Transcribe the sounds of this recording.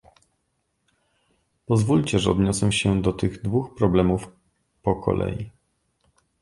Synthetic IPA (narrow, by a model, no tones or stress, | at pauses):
pɔzvulʲt͡ɕɛʐɛɔ̰d̪ɲɔswɛwɕɛd̪ɔt̪ɘɣd̪vuxpɾɔblɛmuf | pɔkʰɔ̰lʔɛ̰jḭ